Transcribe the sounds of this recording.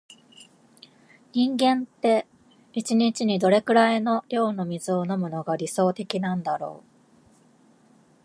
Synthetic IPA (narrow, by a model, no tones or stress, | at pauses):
ɲ̟ĩŋɡẽ̞nt̪e̞ | it͡ɕiɲ̟it͡ɕiɲ̟id̪o̞ɾe̞kɯ̟ɾaino̞ɾʲo̞ːno̞mʲizɨo̞no̞mɯ̟no̞ɡaɾʲiso̞ːt̪e̞kʲinãnd̪aɾo̞̰ː